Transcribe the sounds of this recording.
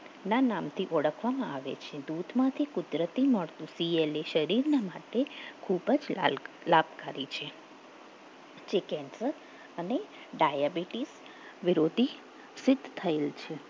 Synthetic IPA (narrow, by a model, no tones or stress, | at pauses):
nanamt̪ʰiʔɔɽəkʰʋamãaʋḛt͡ʃʰed̪ud̪ʱmãt̪ʰikʊd̪ɾət̪iməɭt̪ũsieleʃəɾiɾnamaʈekʰubəd͡ʒ | labkaɾit͡ʃʰe | t͡ʃekɛnsəɾ | əne | ɖajabiʈis | ʋɪɾod̪ʱi | sɪd̪ʱːt̪ʰəelt͡ʃʰe